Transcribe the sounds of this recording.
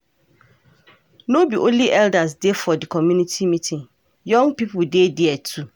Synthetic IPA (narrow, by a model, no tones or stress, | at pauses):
nobiʔonliʔɛldas̬defɔdikʰɔmjũnitʰimĩtʰĩŋ | jɔ̃ŋpipʊdedɪɛtʰu